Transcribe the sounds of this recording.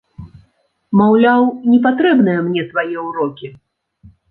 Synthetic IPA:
mawlʲawnʲɛpat̪ɾɛbn̪ɨjɐmnʲɛsvajɛuɾɔkʲi

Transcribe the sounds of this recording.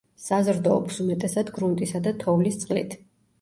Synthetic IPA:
sazɾd̪ɔːpsumɛt̪ʼɛsad̪ɡɾunt̪ʼisad̪at̪ʰɔvlist̪sʼqʼlḭt̪ʰ

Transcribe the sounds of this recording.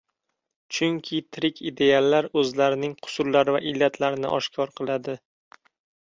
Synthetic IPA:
t͡ʃʰʊŋkʲʰɪt̪ʰɪɾɪkʲʰɪd̪e̞alːaɾɵzlaɾɪnɪŋqʰʊ̥sʊɾlaɾɪvaʔɪlːat̪ʰlaɾɪnɪ̰ʔɒʃkʲʰɒɾqʰɨlˠad̪ɪ

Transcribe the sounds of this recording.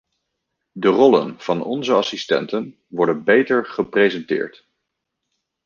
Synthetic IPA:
dərɔlə̰nv̥ɑnɔ̰nzəɑsistɛ̰ntən | ʋɔɹdənbejtəɹχəprejzɛntɪ̰ːɹt

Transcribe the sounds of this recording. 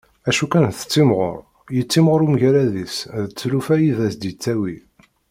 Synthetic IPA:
æʃukænθə̥t͡sːimʁo̰ɾˤ | jət͡sːimʁoɾumʝæɾæðisðət͡sːlufæjiðæsd̪jət͡sːæwi

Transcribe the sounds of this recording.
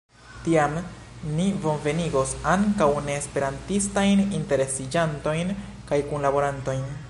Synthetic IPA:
tiam | nivo̞nve̞niɡo̞saŋkawne̞ːspe̞ɾantistajninte̞ɾe̞sid͡ʒanto̞jn | kajkunlabo̞ɾanto̞jn

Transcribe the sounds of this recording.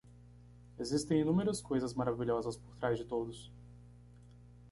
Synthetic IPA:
ezist̪ẽj̃inũmeɾɐskojzɐzmaɾaviʎɔzɐspoɾt̪ɾazd͡ʒɪt̪od̪ʊs

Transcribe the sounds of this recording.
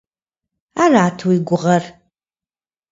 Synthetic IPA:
aːraːtʰwiɡʷʊʁɐr

